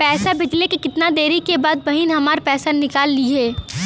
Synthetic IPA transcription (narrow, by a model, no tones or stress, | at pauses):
pɛːsabɪd͡ʒlekikɪt̪nad̪eːɾikebaːd̪̚bɐɦinɦɐmaːɾpɛːsanɪkaːlːiɦɛː